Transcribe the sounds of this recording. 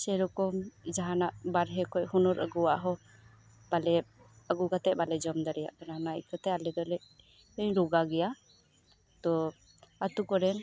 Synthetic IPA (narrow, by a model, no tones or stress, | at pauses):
sɛɾɔkɔmd͡ʒaɦanaʔbaɾɦɛkɔjhɔnɔɾʔə̰ɡuwaʔɦɔ | b̥alɛ | əɡuɡat̪ɛbalɛd͡ʒɔmd̪aɾɛja̰ʔkananaḭʔkat̪ɛalɛd̪ɔlɛʔ | ɛɲɾɔɡaɡɛja | t̪ɔ | at̪ukɔɾɛn